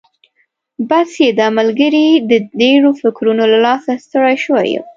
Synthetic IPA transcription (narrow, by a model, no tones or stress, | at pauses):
basjed̪əamalɡəɾid̪ədeɽofɪkɾunolalɑsast̪əɽajʃəwa̰jṵ